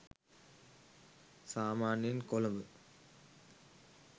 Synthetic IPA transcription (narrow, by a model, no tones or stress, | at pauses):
saːmaːnjenkolɐmbə